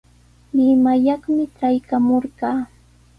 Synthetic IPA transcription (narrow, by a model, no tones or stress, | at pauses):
lɪmajɑχmɪʈ͡ʂajkamoɾɢɑː